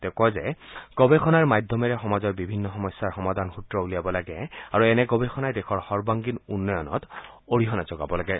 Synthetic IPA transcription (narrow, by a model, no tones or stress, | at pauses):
tɛkɔzɛ̰ɡ̥ɔbɛxʰɔnaɹmajdʱɔmɛɹɛxɔmazɔɹbibʱinːɔxɔmɔsːaɹxɔmadʱanxutɹɔulijabɔlaɡɛaɹuɛnɛɡɔbɛxʰɔnajdɛxʰɔɹxɔɹbaŋɡinunːɔjɔnɔ̰t | oɹiɦɔnazɔɡa̰bɔlaɡɛ